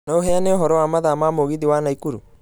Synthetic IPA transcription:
naoɦɛaneoɦɔɾɔwamaðamamoɣiðiwanaikuɾṵ

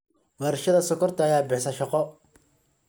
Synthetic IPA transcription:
wɛɾʃɐðɐsɔkʰɔrt̪ʰɐːjaːbɪħsɐʃɑqɔ

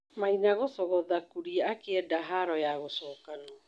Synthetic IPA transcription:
mainaɣosɔɣɔðakuɾiaakeɛdaɦaɾɔjaɣosɔːkanɔ

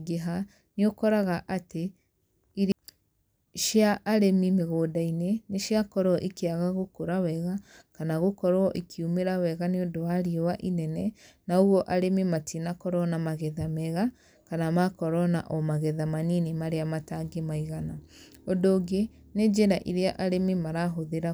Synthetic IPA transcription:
ɡeɦa | neokɔɾaɣaʔate | i | ʃjaʔːɾemimeɣoːdaineneʃjakɔɾɔʔikeaɣaɣokoɾawɛɣakanaɣokɔɾɔʔikʰiumeɾawɛɣaneodowaɾiowaʔinɛnɛ | naoɣɔʔaɾemimatʰinakɔɾɔnamaɣɛðamɛɣa | kanamakɔɾɔna̰ʔɔmaɣɛðamaninemaɾeamataŋɡemaiɣana | ondoːɡe | ned͡ʒeɾaʔiɾeaʔaɾemimaɾaɦoðeɾa

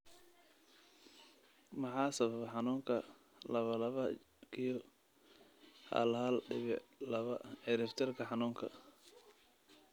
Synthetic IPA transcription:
mɑħɑːsɐβɐβɐħɑnuːŋkʰɐ | lɐβɐlɐβɐ | kʰijɔ | hɐ̰lhɐlɖɪβɪlɐβɐɛɾɛft̪ʰɛrkʰɐħɑnuːŋkʰɐ̰

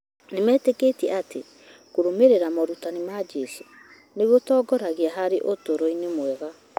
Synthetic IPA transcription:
nemɛːteketiɛate | koɾomeɾeɾamɔɾutanemad͡ʒɛso | neɣotɔːɡɔɾaɣeaɦaɾeʔotoɾoinemwɛɣa

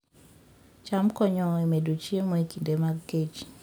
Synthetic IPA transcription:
t͡ʃamkɔɲɔemedot͡ʃemɔekindemaɡɡet͡ʃ

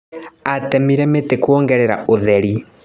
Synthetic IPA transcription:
atɛmiɾɛmetekwoːŋɡɛɾɛɾa̰oðɛɾi

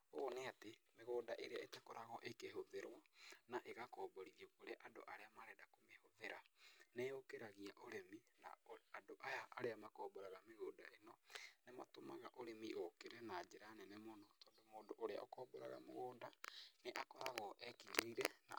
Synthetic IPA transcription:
oneatemeɣoːndaʔeɾeaetɛkoɾʔaɣɔʔekehoðeɾwanaʔeɣakɔːbɔɾiðiokoɾeaʔado̰ʔaɾeamaɾɛdakomehoðeɾaneokeɾaɣiaʔoɾemina̰adoʔajaʔaɾeamakɔːboɾaɣameɣoːnda̰enɔnema̰toma̰ɣaʔoɾemiʔokeɾɛnad͡ʒeɾanɛnɛmonɔtɔːndomoːdoʔoɾea̰ʔɔ̰kɔːboɾa̰ɣa̰mo̰ɣoːndaneʔakɔɾaɣɔʔɛkiɲeiɾɛna̰

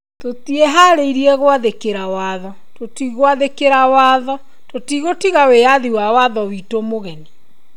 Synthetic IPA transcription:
totieɦaɾeiɾiɛɣowaðekeɾawaðɔ | totiɣwaðekeɾawaðɔ | totiɣotiɣaweaðiwawaðɔwitomoɣɛne

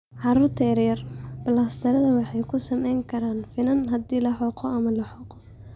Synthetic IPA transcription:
ʕɑɾʊrt̪ʰɛɾjɐrbɐlɐst̪ʰɐɾɐðɐwɑħɑjkʰʊsɐmɛjŋkʰɐɾaːnfɪnɐnɦɐd̪iːlɐħɔqʰɔɐmɐlɐħɔqɔ

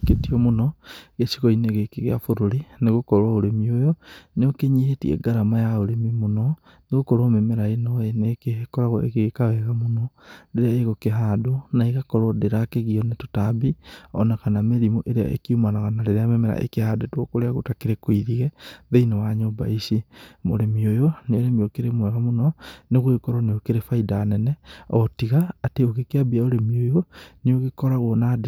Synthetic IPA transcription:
ketiɔmonɔɣesiɣɔineɣekeɣeafoɾoɾineɣokɔɾwaoɾemiojɔneokeɲihetiɛ̰ɡaɾamajaoɾemimonɔ | neɣokɔɾwamɛmɛɾaenɔenekeekɔɾaɣɔʔḛɣeɣekawɛɣamonɔdeɾeaeɣokeɦadonaeɣakɔɾɔdeɾakeɣiɔnetotabiɔ̰naɣanameɾimoʔeɾea̰ʔḛkiumanaɣanaɾeɾeamɛmɛɾa̰ʔḛkehadotwɔkoɾeaɣotakeɾekoiðiɣɛðeinewaɲoba̰isimo̰ɾemiojoneoɾemiokeɾemwɛɣamonɔneɣoɣekɔɾoneokeɾefaidaːnɛnɛɔtiɣaːteoɣekeabiaoɾemiojoneoɣekɔɾaɣwɔnade

